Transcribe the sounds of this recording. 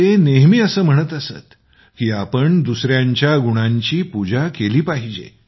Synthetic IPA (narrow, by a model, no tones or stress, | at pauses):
eneɦmiːəsəːm̤əɽ̃ət̪əsə̰t̪ | kiːapəɳd̪usɾjaɲt͡ɕjaɡuɽ̃ãɲt͡ɕiːpud͡ʑakeliːpaɦid͡ʑḛ